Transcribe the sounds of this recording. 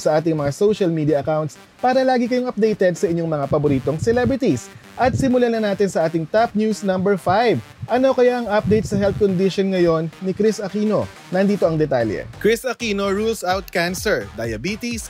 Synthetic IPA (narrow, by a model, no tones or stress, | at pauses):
sɐʔaːt̪ɪŋmɐŋasoʃɐlmiːd̪ijɐʔɐkawnt̪̚s | paːɾɐlaːɡikɐjo̞ŋɐp̚d̪ɛjt̪ɛd̪sɐʔɪɲo̞ŋmɐŋapɐboɾiːt̪o̞ŋsɛlɛbɹɪt̪is | ʔɐt̪̚sɪmʊlanɐnaːt̪ɪnsɐʔaːt̪ɪŋt̪ap̚njusnɐmbɛɹfajv | ʔɐno̞kɐjaʔɐŋʔɐp̚d̪ejt̪̚sɐɦɛlt̪̚kond̪iʃonŋɐjo̞nːɪkɾisʔɐkiːno̞ | nɐnd̪iːt̪oɐŋd̪ɛt̪aljɛ̰kɹɪsɐkiːnoɹulsawt̪̚kansɛɹd̪ɐjɐbiːt̪is